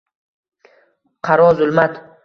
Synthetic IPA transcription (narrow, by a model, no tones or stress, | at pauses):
qʰɑɾɒzʊlmat̪